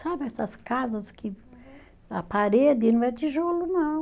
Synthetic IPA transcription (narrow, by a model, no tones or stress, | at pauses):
sabasasi̥kazasi̥ki | apaɾed̪invɛt̪iʒoluna